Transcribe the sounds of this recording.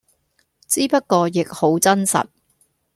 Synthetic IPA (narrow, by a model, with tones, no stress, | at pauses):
t͡siː˥pɐ˥t̚kɔː˧jɪ˨k̚ho˨˥wt͡sɐ˥nsɐ̰˨t̚